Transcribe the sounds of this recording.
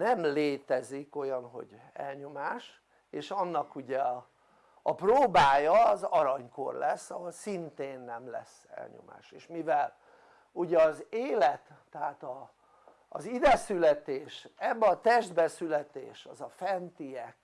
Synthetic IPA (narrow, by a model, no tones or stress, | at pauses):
nɛmleːt̪ɛziko̞jɒnɦo̞̰ɟ | ɛ̰lɲo̞maːʃ | eːʃɒnːɒkuɟɛː | proːbaːjɒːzɒɾɒɲko̞̰rlɛsːɒɦolsint̪eːnːɛmlɛ̰s | ɛ̰lɲo̰ma̰ːʃeːʃmivɛl | uɟɛɒzeːlɛt̪ːɛaːt̪ɒː | zid̪ɛsylɛt̪eːʃɛbːɛɒt̪ɛʒd̪bɛsylɛt̪ḛːʃɒ̰zɒfɛnt̪ijɛk